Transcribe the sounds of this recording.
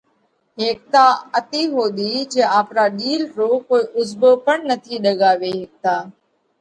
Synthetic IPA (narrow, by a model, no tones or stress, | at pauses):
ɦeːk̚t̪aːət̪iːɦoːd̪iːd͡ʒẽːaːpɾaːɗiːlɾoːkoːiːʔʊzboːpəɳnət̪ʰiːɗəɠaːʋeːɦeːk̚t̪aː